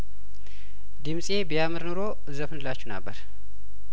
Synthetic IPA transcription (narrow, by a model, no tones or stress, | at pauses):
d̪imsʼebijamɨɾnɨɾo̞ | ɨzəfɨnɨlat͡ʃːunə̰bːəɾ